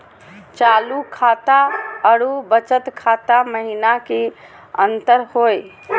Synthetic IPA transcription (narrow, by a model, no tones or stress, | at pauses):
t͡ʃalukʰat̪aəɽubət͡ʃət̪kʰat̪aməɦinake | ənt̪əɾɦoj